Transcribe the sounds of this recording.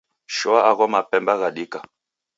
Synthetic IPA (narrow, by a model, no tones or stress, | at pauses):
ʃɔaaɣɔmapɛmbaɣaɗika